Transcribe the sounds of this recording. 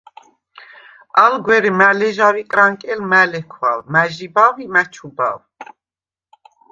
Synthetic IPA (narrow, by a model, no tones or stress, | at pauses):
alɡwɛɾimælɛʒavikʼɾaŋkʼɛlmælɛkʰwa̰vmæʒibavimæt͡ʃʰuba̰v